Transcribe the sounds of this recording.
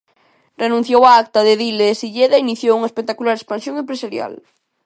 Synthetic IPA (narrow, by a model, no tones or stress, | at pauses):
renũnθjowaak̚t̪aðeðileːsiʎeðainiθjowuŋaespek̚t̪akulaɾespansjoŋẽmpɾesaɾja̰l